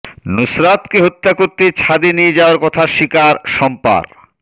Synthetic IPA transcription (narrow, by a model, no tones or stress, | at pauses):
nusɾat̪keɦot̪ːakoɾt̪et͡ɕʰad̪enijed͡ʑaoaɾkɔt̪ʰaʃikaɾʃɔmpa̰ɾ